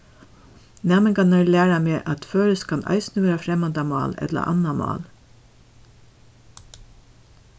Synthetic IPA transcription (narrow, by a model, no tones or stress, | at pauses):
næːmɪŋkɑnəɹlæːɹameːʔɑt̪føːɾəskʰɑnɑ̰ɪsnəʋeːɾafɾɛmɑnd̪ɑmɑ̰ːlɛ̰t̪la̰ʔɑ̰namɑ̰ːl